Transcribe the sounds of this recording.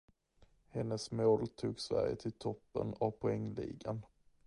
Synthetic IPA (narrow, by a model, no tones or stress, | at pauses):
hɛnːəsmoːlt̪ʰuːɡsvæ̰ɾjə̰t̪ʰɪlt̪ʰɔpːə̰navpʰʊɛŋːlḭːɡan